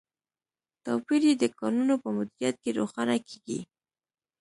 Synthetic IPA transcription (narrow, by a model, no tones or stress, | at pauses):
t̪ɑpiɾjed̪əkɑnunopəmʊd̪ɪɾijat̪̚keɾoxɑnakeɡḭ